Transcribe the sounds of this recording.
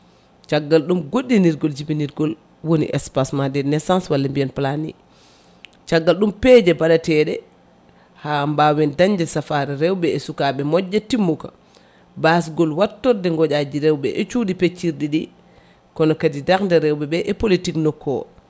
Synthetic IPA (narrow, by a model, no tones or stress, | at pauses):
t͡ʃaɡːalɗumɡoɗːiniɾɡɔld͡ʒibiniɾɡɔl | wonḭʔɛspasmadɛnɛsãnswalːɛmbiɛnplanḭ | t͡ʃaɡːalɗumpɛd͡ʒɛbaɗatɛɗɛ | hambawɛndaɲd͡ʒɛsafaɾɛɾɛwɓɛɛsukaɓɛmɔd͡ʒːɛtimːuka̰ | bas̬ɡɔlwatːɔdɛŋɡɔd͡ʒad͡ʒiɾɛwɓɛʔɛt͡ʃuːdipet͡ʃːiɾɗiɗi | kɔnɔkadidakndɛɾɛwɓɛbɛʔɛpolitiknɔkʰːɔ̰